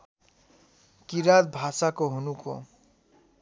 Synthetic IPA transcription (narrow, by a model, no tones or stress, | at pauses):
kiɾad̪̚bʱasakoɦunuko̰